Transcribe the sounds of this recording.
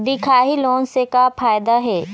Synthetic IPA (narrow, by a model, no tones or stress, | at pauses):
d̪ɪkʰaːɦiloːnsekafʰaːjd̪aɦɛː